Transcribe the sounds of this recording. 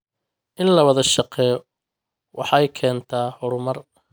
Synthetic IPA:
ʔɪnlɐwɐðɐʃɑqɛːjɔ | wʔɑħɑjkʰɛːnt̪ʰaːhɔɾʊmɐr

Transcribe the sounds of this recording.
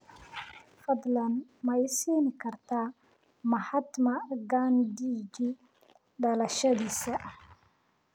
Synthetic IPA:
fɐd̪lɐnmɐjsiːnɪkʰɐrt̪ʰaː | mɐħat̪mɐɡand̪id͡ʒi | ɖɐlɐʃɐd̪iːsɐʔ

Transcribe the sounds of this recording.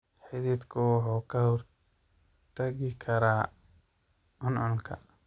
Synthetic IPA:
ħɪðiːd̪kʰʊwɑħuːkʰɐhɔr | t̪ʰɐɣɪkʰɐɾaː | ʔʊnʊŋkʰɐ̰

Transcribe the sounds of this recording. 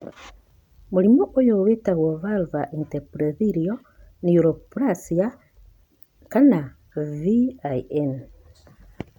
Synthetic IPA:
mulimoʔojowetaɣwoβalvaʔinteɾpuɾeðiɾio | niuɾopuɾasia | kana | viaien

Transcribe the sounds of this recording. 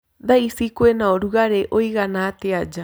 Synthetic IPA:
d̪aisikuenaoɾuɣaɾeʔoiɣanat̪ead͡ʒa

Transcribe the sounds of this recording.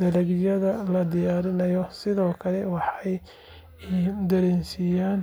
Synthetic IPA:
d̪̥ɐlɐɡjɐðɐlɐd̪ɪjaːɾɪnɐjɔsɪðɔːkʰɐlɛwɑħɑj | d̪ɐɾɛːnsijaːn

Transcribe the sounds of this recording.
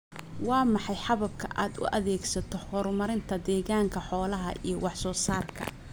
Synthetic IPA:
wɑːmɑħɑjħɑβɐb̚kʰɐʔaːd̪ʊ̰ʔɐðɛːɡsɐt̪ʰɔhɔːrmɐɾɪnt̪ʰɐd̪ɛːɣaːŋkʰɐħɔːlɐɦɐ̰ʔḭjɞwɑħsɔːsaːrkʰɐ̰

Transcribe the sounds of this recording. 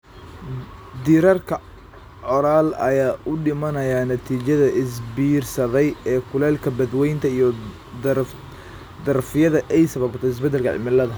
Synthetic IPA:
d̪iːɾɐrkʰɐ | ʕɔɾaːlɐjaːʔʊɖɪmɐnɐjaːnɐt̪ʰiːt͡ʃɐðɐʔɪsbiːrsɐðɛjɛːkʰʊlɛːlkʰɐbɐd̪wɛjnt̪ʰɐijɔ | d̪ɐrfɪjɐðɐʔɛjsɐβɐbt̪ʰɛɪs̬bɛd̪ɛlkʰɐʕɪ̰mɪlɐðɐ

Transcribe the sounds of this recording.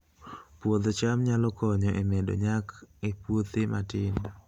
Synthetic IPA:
pwod̪t͡ʃamɲalɔkɔɲɔʔemedo̰ɲakepwot̪ematɪn

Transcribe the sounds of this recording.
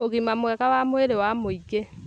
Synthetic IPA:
oɣimamwɛɣawamoeɾewamoiɣe

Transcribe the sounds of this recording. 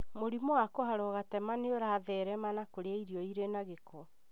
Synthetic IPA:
moɾimɔwakoɦaɾɔɣatɛmaneoɾaðɛɾɛmanakoɾeaiɾiɔiɾenaɣekɔ

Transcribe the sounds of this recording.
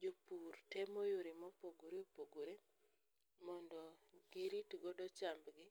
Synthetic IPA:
d͡ʒopurtemojoɾɪmɔpoɡoɾeopoɡoɾe | mɔndɔɡɪɾitɡodɔt͡ʃambɡɪ

